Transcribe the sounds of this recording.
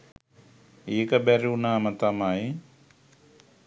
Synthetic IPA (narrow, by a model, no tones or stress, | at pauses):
eːkəbæɾiunaːmət̪amaji